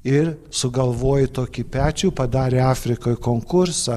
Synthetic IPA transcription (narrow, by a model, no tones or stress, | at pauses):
ɪɾsʊɡɐlˠʋoːjɪt̪oːkʲipʲæːt͡ʃʲuːpɐd̪ɑːɾʲeːɑːfʲɾʲɪkoːjkoːŋkʊɾsɑ